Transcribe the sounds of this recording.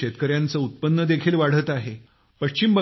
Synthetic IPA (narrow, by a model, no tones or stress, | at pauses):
et̪kəɾjant͡səut̪̚pənːəd̪ekʰiːlʋaɽ̤ət̪aɦe | pəʂt͡ɕimbə